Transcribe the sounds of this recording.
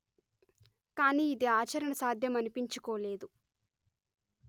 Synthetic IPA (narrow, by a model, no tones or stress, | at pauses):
kaːniːid̪iaːt͡ʃɐɾɐɳɐsaːd̪ʱjɐmɐnipiɲt͡ʃukoːle̞ːd̪u